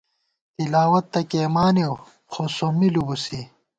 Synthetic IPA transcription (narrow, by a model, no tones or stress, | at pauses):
t̪ilaːwɐt̪ːɐkeːmaːnew | xosomilubusi